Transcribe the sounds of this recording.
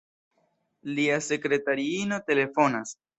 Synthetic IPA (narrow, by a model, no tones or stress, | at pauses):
liase̞kɾe̞taɾiino̞te̞le̞fo̞nas